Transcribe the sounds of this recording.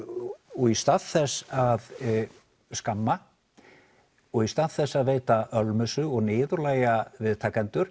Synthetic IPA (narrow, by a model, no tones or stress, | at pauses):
ɔɣist̪aðθɛsːað | skamːa | ɔɣist̪aðθɛsːaðveːjt̪aʔœlmʏsʏɔɣnɪːðʏɾlaːjavɪðt̪ʰaːkant̪ʏɾ̥